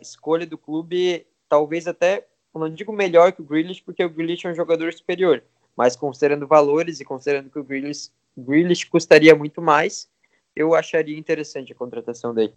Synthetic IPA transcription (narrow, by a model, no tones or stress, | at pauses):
ɪskoʎɐd̪ʊklubɪ | t̪awvejzat̪ɛ | nɐ̃w̃d͡ʒiɡʊmeʎɔɾkɪʊɡɾiliʃpoɾkeʊɡɾĩliʃɛũʒoɡad̪oɾsu̥peɾioɾ | mɐskõsid̪eɾɐ̃nd̪ʊvaloɾɪzɪkõsid̪eɾɐ̃nd̪ʊkɪʊɡɾilis | ɡɾiliʃkost̪aɾiɐmũj̃t̪ʊmajs | ewaʃaɾiɐĩnt̪eɾesɐ̃t͡ʃɪɐkõt̪ɾat̪asɐ̃w̃d̪elɪ